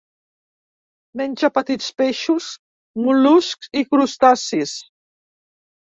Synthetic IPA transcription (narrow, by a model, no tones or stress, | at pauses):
menʲʒapət̪it͡speʃus | muluskzikɾust̪asis